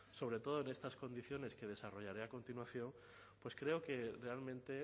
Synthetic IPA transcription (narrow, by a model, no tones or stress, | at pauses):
so̞β̞ɾe̞t̪o̞ð̞oene̞st̪asko̞nd̪iθjo̞ne̞ske̞ð̞e̞saro̞ʝaɾeako̞nt̪inwaθjo̞n | pwe̞skɾe̞oke̞re̞almẽnt̪e̞